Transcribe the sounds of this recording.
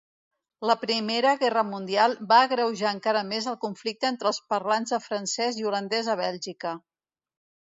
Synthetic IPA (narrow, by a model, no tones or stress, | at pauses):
ləpɾimeɾəɣɛrəmund̪ialˠbaəɣɾəwʒaːŋkaɾəmezəlˠkuɱflik̚t̪əent̪ɾəːlˠspərlanzðəfɾənsɛziulənd̪ɛzəβ̞ɛlʲʒikə